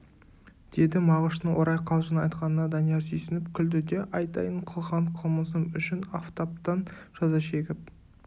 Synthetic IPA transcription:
d̪̥e̞d̪ɪmɑʁəʃt̪əɴwoɾɑjqʰɑlˠʒənɑjt̪qɑnənɑd̪ɑnijɑɾsʰɵjsɪnɪp̚kʲʰʏld̪ɪd̪e̞ʔɑjt̪ɑ̰jəɴqʰəlˠʁɑɴqʰəlˠməs̬əmʏʃɪnaft̪ap̚t̪ɑnʒ̥ɑzɑʃe̞ɡʲɪp̚

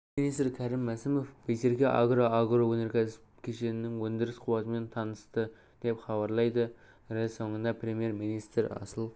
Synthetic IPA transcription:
minijst̪ɾkʲʰæɾɪmːæsɪmofbejse̞ɾkʲeʔa̰ɡɾoaɡɾowɵne̞ɾkʲes | kʲʰe̞ʃe̞nɪnɪŋwɵnd̪ɪɾɪsqʰʊwɑt̪əme̞nt̪ʰɑnəst̪ə | d̪̥e̞pχɑβɑɾlˠɑjd̪ə | ɾelso̞ɴənd̪ɑpɾʲe̞mije̞ɾminijst̪ɾɑ̰səlˠ

